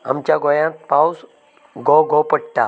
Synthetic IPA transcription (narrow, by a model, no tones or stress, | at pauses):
a̰mt͡ɕjaɡojãt̪̚paws | ɡoɡopəɽ̚t̪a̰